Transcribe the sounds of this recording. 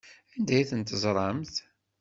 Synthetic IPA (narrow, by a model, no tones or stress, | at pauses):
ænd̪æjiθənt̪əzˤɾˤɑmθ